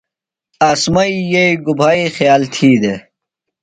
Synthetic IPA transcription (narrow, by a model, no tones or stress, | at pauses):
asmɐijeiɡubʱaːixjaːlt̪ʰiːd̪e